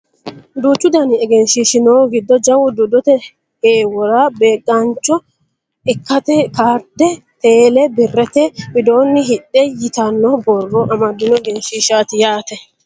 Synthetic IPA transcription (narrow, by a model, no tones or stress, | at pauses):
d̪uːt͡ʃːʊd̪ɐnɪɛɡɛnʃiːʃɪnoːɡɪd̪ːɔd͡ʒɐwʊd̪ʊd̪ɔt̪ɛ | heːwɔɾabeːɡʼɐnt͡ʃːɔ | ɪkːɐt̪ɛkaːɾd̪ɛ | t̪eːlɛbɪrːɛt̪ɛbɪd̪o̞ːnːɪɦɪᶑːɛjɪt̪ɐnːɔbɔrːɔʔɐmɐd̪ːɪnɔɛɡɛnʃiːʃaːt̪ɪjaːt̪ɛ